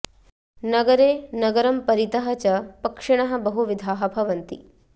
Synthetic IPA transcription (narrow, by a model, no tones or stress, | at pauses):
nɐɡɐɾeːnɐɡɐɾɐmpɐɾit̪ɐɦɐt͡ʃɐpɐkʂɐɳ̃ɐɦɐbɐɦuʋid̪ʱaːɦɐbʱɐʋɐnt̪i